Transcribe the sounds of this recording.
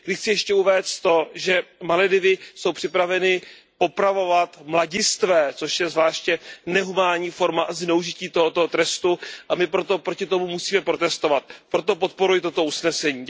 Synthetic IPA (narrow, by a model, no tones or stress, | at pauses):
ɡdɪxt͡sɪjɛʃcɛuvɛːst̪t̪o̞ʒɛmalɛdɪvɪso̞wpr̥ɪpɾavɛnɪ | po̞pɾavo̞vat̪mlaɟɪst̪vɛːt͡so̞ʃjɛzvlaːʃcɛnɛɦumaːlɲiːfo̞ɾmaʔaznɛuʒɪciːt̪oɦot̪oɦot̪ɾɛst̪uʔamɪpɾo̞t̪o̞pɾocɪt̪o̞mumusiːmɛpɾo̞t̪ɛst̪o̞vat̪̚pɾo̞t̪o̞po̞t̪̚po̞ɾujɪt̪ot̪o̞usnɛsɛɲiː